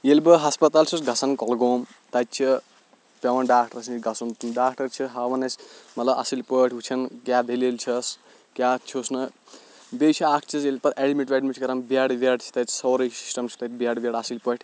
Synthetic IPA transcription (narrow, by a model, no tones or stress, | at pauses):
jelbɐɦɐspɐt̪alt͡ʃʰusɡʱɐsɐnkɔlɡoːm | t̪ɐt̪̚t͡ʃʰi | pɐwɐnɖaːk̚ʈɐɾsniɡʱɐsunɖaːk̚ʰʈɐɾt͡ʃʰiɦawɐnɐsmɐt̪lɐbɐ̰silpəʈʰɦut͡ʃʰɐnkjad̪ʱelelt͡ʃʰɐs | kjat͡ʃʰosnɨ | bejt͡ʃʰiakʰt͡ʃʰisjelpɐɾʔeɽmiʈʋeɖimiʈʰkɐɾɐmbaɽʋaɽt͡ʃʰi̥t̪ɐ̥sowɾɐjsi̥sʈɐmt͡ʃʰu̥t̪ɐt̪ʲbaɽbaɽɐsilpəʈʰ